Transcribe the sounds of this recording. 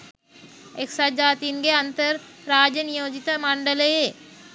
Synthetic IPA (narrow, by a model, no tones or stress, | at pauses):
eːksad͡ʒaːt̪iːnɡeɐ̃nt̪əɾɾaːd͡ʒənijoːd͡ʒit̪amãːɳɖəle